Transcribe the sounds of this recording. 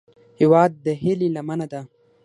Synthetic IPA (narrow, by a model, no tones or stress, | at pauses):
hiwɑːd̪̚ːəɦililamanad̪a